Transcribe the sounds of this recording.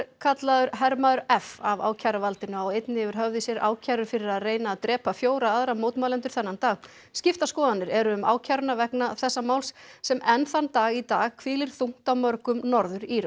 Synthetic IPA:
ɾkʰat̪laðʏɾɦɛɾmaðʏɾɛfava̰ːwcʰaɾavalt̪ɪnʏawejt̪nɪɛvɪɾ̥ɦœvðɪsjɛɾa̰ːwcʰaɾʏɾ̥fɪɾɪɾaðreːjnaːðt̪ɾɛːpafjoːwɾaaðɾamoːwt̪maːlɛnt̪ʏɾ̥θɛnːant̪aːɣ | scɪft̪askɔːðanːɪɾɛɾʏʏma̰ːwcʰaɾʏnavɛknaθɛsːamaːwlssɛmɛnθant̪aːɣit̪aːɣkʰvɪːlɪɾ̥θuŋ̥t̪awmœɾkʏmnɔɾðʏɾiːɾʏ

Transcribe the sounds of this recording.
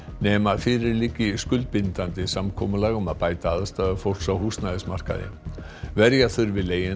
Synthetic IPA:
nɛːmafɪːɾɪɾlicːɪskʏlt̪̚pɪnt̪ant̪ɪsamkʰɔ̰ːmʏlaɣɔmaðpaːjt̪aaðast̪aːðʏfowr̥sawhust̪naðɪsmar̥ka̰ðɪ̰ | vɛɾjaθʏɾvɪðleːjɪ

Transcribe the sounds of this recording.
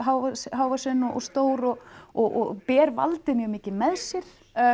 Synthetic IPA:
ɦaːwvasɦaːwvasɛnːɔʔɔ̰st̪oːwɾɔɣɔʔɔ̰pɛːɾva̰lt̪ɪnjɛɣmɪːcɪmɛðsjɛɾ̥

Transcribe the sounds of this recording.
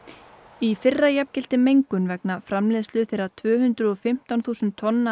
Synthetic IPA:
ifɪrːajɛpcɪlt̪ɪmejŋkʏnvɛknafɾamlɛːðslʏθɪɾat̪ʰvœːhʏnt̪ɾʏɔfɪm̥t̪awnθuːsʏnt̪ʰːɔnːa

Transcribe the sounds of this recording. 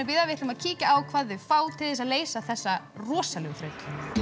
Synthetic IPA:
pɪːðavɪht̪ʏmaðcʰiːcaawkʰv̥aːðʏfaːwt̪ʰɪlðɛsaðleːjsaθɛsːa | rɔːsalɛɣʏθɾœːɥk

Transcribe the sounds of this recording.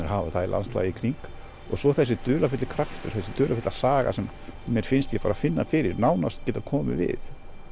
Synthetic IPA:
ɛɾɦavaθaðila̰nst̪la̰ːjɪkʰɾiŋk | ɔɣsɔθɛs̬ːɪt̪ʏːlafʏt̪lɪkʰɾaft̪ʏ̰ɾ̥θɛsɪt̪ʏːlʔafʏt̪lasaːɣa̰sɛmː | jɛɾ̥fɪnst̪jɛfaːɾafɪnːafɪːɾɪɾnaːwnast̪̚cɛːt̪akʰɔːmɪ̰vɪ̰θ

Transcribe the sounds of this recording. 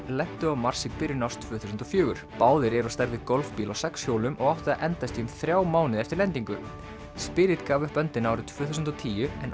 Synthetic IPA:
lɛht̪ʏamaɾ̥sɪkpɪɾjʏnawst̪ʰvʏːθusʏnt̪ɔfjœːɣʏɾ̥paːwðɪɾɛɾɔst̪ɛɾðɪkɔlfpiːlawsɛksjowlʏmʔɔɣɔwht̪ʏðaʔɛnt̪ast̪iʏmθɾjaːwmaːwnɪðɛft̪ɪɾlɛnt̪iŋkʏ | spɪɾɪt̪kaːvʏpœnt̪ɪnaːwɾʏt̪ʰv̥ʏːθusʏnt̪ɔt̪ʰiːjʏɛn

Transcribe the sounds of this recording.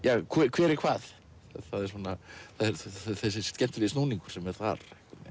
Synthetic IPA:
jaːkʰvɛkʰvɛːɾɪkʰvaːð | θaðɛɾ̥sɔːnːaθaðɛɾθɛs̬ɪscɛm̥t̪ʏvɪðsnoːwniŋkʏɾ̥sɛmɛɾ̥θa̰ɾ̥hkan

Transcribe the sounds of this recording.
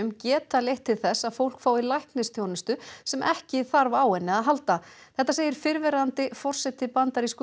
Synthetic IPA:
ʏmcɛːt̪aleht̪ʰːɪlθɛsːaðfowl̥kfaːwilajhknɪst̪ʰjownɪst̪ʏsɛmʔɛhcɪθaɾvaːwɛnːɪaðɦalt̪aθθɛht̪ːaseːjɪɾ̥fɪɾvɛɾant̪ɪfɔr̥sɛt̪ɪpant̪aɾisk

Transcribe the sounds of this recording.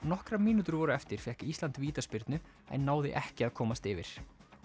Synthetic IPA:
nɔhkɾamiːnut̪ʏɾvɔːɾʏɛft̪ɪɾ̥fjɛhkist̪lant̪viːt̪aspɪɾt̪nʏ | ɛ̰nːaːwðɪ̰ʔɛhcɪaðkʰɔːmast̪ɪvɪ̰ɾ̥

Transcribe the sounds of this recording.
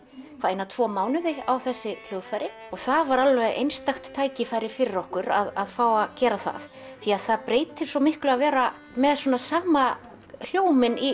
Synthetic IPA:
kʰaejnat̪ʰv̥ɔːmaːwnɪðɪawθɛsːɪl̥jœːɣfajɾɪ | ɔɣθaðvaɾalvɛðʔḛjnst̪axt̪ʰːaːjcɪfajɾɪfɪɾɪɾɔhkʏɾa̰ðaðfaːwaðcɛːɾaθa̰ð | θiaðθaðpɾeːjt̪ʰɪɾ̥sɔmɪhklʏɣavɛːɾa | mɛðswɔːnasaːma | l̥joːwmɪni

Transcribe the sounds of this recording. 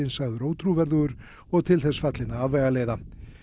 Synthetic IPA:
ɪnsaɣðʏɾoːwt̪ʰɾuvɛɾðʏɣʏɾ | ɔɣt̪ʰɪlθɛsfat̪lɪnaavːɛjɣaleːjða

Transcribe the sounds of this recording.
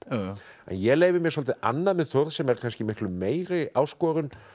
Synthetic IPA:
ɛ̰njɛleːjvɪɾmjɛɾsɔlt̪ɪʔa̰nːaðmɛðθoɾðsɛmɛɾkʰanscɪmɪhklʏmːeːjɾɪaːwskɔːɾʏn

